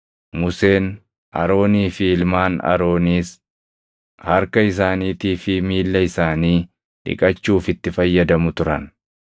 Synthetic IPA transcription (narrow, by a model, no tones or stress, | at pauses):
mʊse̞ːn | ʔɐ̰ɾo̞ːniːfɪɪlmaːnɐ̰ɾo̞ːniːs | hɐɾkɐɪs̬aːniːt̪iːfɪmiːlːɐɪsaːniː | ᶑɪ̰kʼɐt͡ʃːuːfɪt̪ːɪfɐjːɐd̪ɐmʊt̪ʊɾɐ̰n